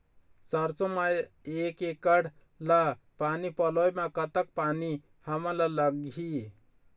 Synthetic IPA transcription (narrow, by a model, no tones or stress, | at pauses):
səɾsomaj | eːkekəɽ | lapaːnipəlojmakət̪ək̚paːni | həmãlaləɡi